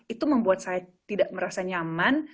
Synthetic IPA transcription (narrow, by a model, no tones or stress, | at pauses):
it̪uməmbuat̪̚sajat̪idaʔməɾasaɲaman